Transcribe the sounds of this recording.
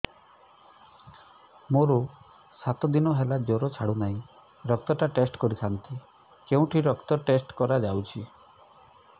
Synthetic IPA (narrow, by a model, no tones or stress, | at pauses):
moɾo | sat̪ɔd̪inɔɦelad͡ʒoɾɔt͡ʃʰaɽunaĩ | ɾɔk̚t̪ɔʈaʈesʈkɔɾit̪ʰant̪i | keũʈʰiɾɔkt̪ɔʈesʈkɔɾad͡ʒawt͡ʃʰi